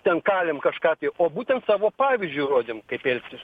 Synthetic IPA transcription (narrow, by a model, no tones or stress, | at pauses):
t̪ʲɛnkɑːlʲɛmkɐʃkɑːt̪ɐɪoːbuːt̪ʲɛnt̪sɑːʋoːpɑːʋʲizʲd͡ʒʲʊroːd̪ʲemkɐɪpɛlʲksʲɪs